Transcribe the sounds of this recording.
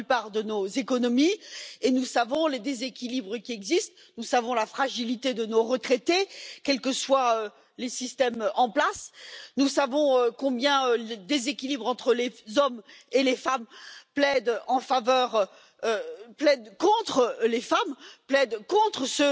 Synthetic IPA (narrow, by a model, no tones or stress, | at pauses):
ypaʁd̪ənozekɔnɔmienusavɔ̃led̪ezekʲilibʁəkʲiɛɡzist̪ | nusavɔ̃lafχaʒilit̪ed̪ənoʁət̪χet̪ekʲɛlkəswaø | lesist̪ɛmɑ̃plasnusavɔ̃økɔ̃bjɛ̃øləd̪ezekʲilibʁɑ̃t̪χəlezɔmelefamplɛd̪ɑ̃favœːʁ | plɛd̪kɔ̃t̪χlefamplɛd̪kɔ̃t̪χəsə